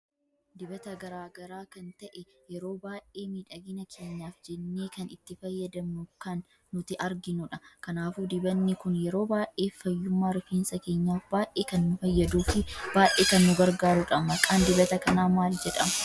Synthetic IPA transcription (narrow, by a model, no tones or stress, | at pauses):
d̪ɪbɐt̪ɐɡɐɾaːɡɐɾaːkɐnt̪ɐʔɛ | jɛɾo̞ːbaːʔe̞ːmiːᶑɐɡɪnɐkʰe̞ːɲːaːfd͡ʒɛnːe̞ːkɐnɪt̪ːɪfɐjːɐd̪ɐmnʊkɐnː | ʊt̪ɪʔɐɾɡɪnʊᶑɐkɐnaːfud̪ɪbɐnːɪkʊnjɛɾo̞ːbaːʔʔe̞ːfːɐjːʊmːaːɾʊfiːnsɐke̞ːɲːaːfbaːʔeːkɐnːʊfɐjːɐd̪uːfɪb̥aːʔeːkɐnːʊɡɐɾɡaːɾʊᶑɐmɐkʼaːnd̪ɪbɐt̪ɐkɐnaːmaːld͡ʒɛᶑɐmɐ